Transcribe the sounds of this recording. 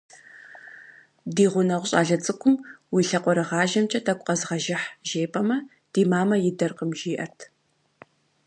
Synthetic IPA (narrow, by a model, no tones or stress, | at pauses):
diːʁʷʊnɐʁʷɕʼa̰ːɮɐt͡sʼɨkʷʰʊmwiɬɐqʷɔɾɐʁɑːʒɐmt͡ʃʼɐtʰɐkʷʼqʼɐzʁɐʒɪħʒeːpʼɐmɐ | d̥iːmaːmɐjɪdɐrqəmʒiːʔɐ̰tʰ